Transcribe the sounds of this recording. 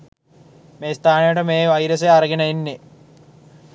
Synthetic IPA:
meːst̪aːnejəʈəmeːʋajɾəs̬eaɾəɡenəinːe

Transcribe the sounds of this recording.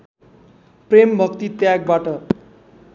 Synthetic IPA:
prembʱʌkt̪it̪jaɡ̚baʈʌ

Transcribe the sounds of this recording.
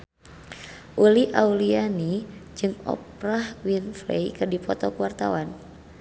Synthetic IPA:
ʔuliʔaulianid͡ʒɨŋɔ̰p̚rahwinflḛjkɨrdipɔt̪ɔkuwart̪awan

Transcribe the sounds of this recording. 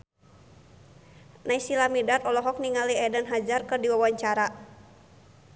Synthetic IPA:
naisilamidat̪ɔlɔɦɔk̚niŋaliɛdanɦad͡ʒarkɨrdiwawaɲt͡ʃaɾa

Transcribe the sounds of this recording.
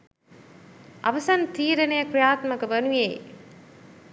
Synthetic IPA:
ʔɐ̰ʋɐsɐnt̪iːɾɐnɐjɐkɾɪjaːt̪mɐkɐʋɐnujḛj

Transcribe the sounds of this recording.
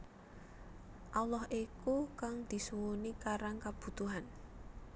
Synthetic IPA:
ʔalɔɦʔikukaŋd̪̥i̤suwunikaɾaŋkab̥ṳt̪uɦan

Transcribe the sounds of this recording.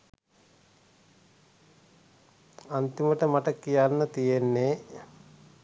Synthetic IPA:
ant̪iməʈəmaʈəkːijanːɐt̪ijenːe

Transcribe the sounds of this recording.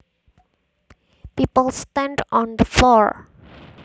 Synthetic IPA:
piːpəlˠstɛ̃nɖɔ̃nd̪əflɔɹ

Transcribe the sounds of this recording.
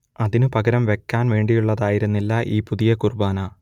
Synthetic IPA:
ɐðinɨpɐɡɐɾɐmʋe̞kːaːnʋe̞ːɳɖijuɭːɐðaːjiɾunːilːɐʔiːpuðijɐkurbaːnaː

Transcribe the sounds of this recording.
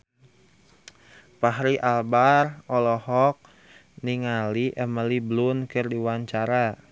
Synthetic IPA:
paɦɾiʔalbarɔlɔhɔk̚ | niŋaliʔəməliblʊnkɨrdiwaɲt͡ʃaɾa

